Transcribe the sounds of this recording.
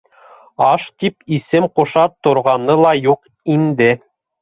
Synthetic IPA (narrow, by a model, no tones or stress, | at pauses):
ɑʃt̪ipisɘmqŏʃɑt̪ːŏɾʁɑnɤlˠɑjuq | ind̪ɘ